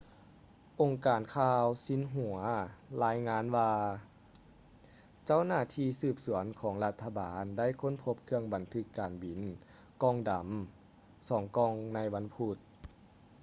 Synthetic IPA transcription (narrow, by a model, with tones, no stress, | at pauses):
ʔo˨˩ŋkaː˨˩nkʰaː˧wsi˧˥nɦu˨˩˦ɐlaː˧˥jŋaː˧˥nwaː˧ | t͡ɕa˥˨wnaː˧˥˩t̪ʰiː˧sɯː˧˩p̚su˩˦ənkʰɔː˩˦ŋla˧t̪ʰːa˧baː˨˦nda˥˨jkʰo˧˥˨npʰo˧˥p̚kʰɯ˧əŋba˨˩nt̪ʰɯ˧˥kːaː˨˩nbi˨˩n | kɔː˧˥˨ŋda˨˩m | sɔː˩˦ŋkɔː˧˩ŋna˧˥jʋa˧˥npʰu˧˩t̪̚